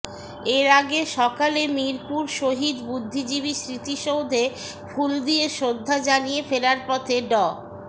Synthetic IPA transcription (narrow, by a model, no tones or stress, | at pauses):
eɾaɡeʃɔkalemiɾpuɾʃoɦid̪bud̪ʱːid͡ʑiβiʃɾit̪iʃowd̪ʱe | fʰuld̪ijeʃod̪ʱːad͡ʑanijefeɾaɾpɔt̪ʰeɖɔ